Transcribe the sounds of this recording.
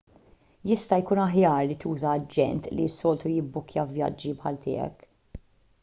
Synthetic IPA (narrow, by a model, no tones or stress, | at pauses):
jɪst̪ɐjkuːnɐħjɐːɾlit̪uːzɐːd͡ʒːɛnt̪lḭsːɔːlt̪ujɪbːʊkːjɐvjɐ̰d͡ʒːipħɐlt̪ɪ̰ːɛ̰k